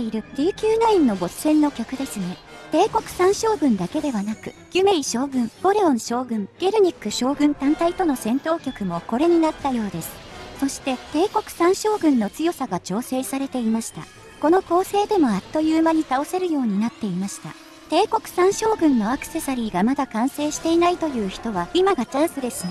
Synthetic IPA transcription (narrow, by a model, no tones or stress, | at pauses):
eiɾɯ̟d̪ʲiːkʲɨːnainːo̞bo̞ssẽ̞nːo̞kʲokɯ̟d̪e̞sɨne̞t̪e̞ːko̞kɯ̟̥sãɰ̃ɕo̞ːɡɯ̟̃nd̪ake̞d̪e̞βanakɯ̟̰ | ɡ̥ʲɯ̟me̞iɕo̞ːɡɯ̟̃mb̥o̞ɾe̞õ̞ɰ̃ɕo̞ːɡɯ̟̃ŋɡ̥e̞ɾɯ̟ɲ̟ikːɯ̟ɕo̞ːɡɯ̟̃nt̪ãnt̪ait̪o̞no̞sẽ̞nt̪o̞ːkʲo̞kɯ̟mo̞ko̞ɾe̞ɲ̟inat̪ːajo̞ːd̪e̞sɨ̥so̞ɕi̥t̪e̞t̪e̞ːko̞kɯ̟̥sãɰ̃ɕo̞ːɡɯ̟̃nːo̞t͡sɨjo̞saɡat͡ɕo̞ːse̞ːsaɾe̞t̪e̞imaɕi̥t̪a̰ | ko̞no̞ko̞ːse̞ːd̪e̞mo̞at̪ːo̞jɯːmaɲ̟it̪ao̞se̞ɾɯ̟jo̞ːɲ̟inat̪ːe̞imaɕi̥t̪a̰ | t̪e̞ːko̞kɯ̟̥sãɰ̃ɕo̞ːɡɯ̟̃nːo̞akɯ̥se̞saɾʲiːɡamad̪akãɰ̃se̞ːɕi̥t̪e̞inait̪o̞jɯ̟ːçi̥t̪o̞βaimaɡat͡ɕãɰ̃sɨd̪e̞s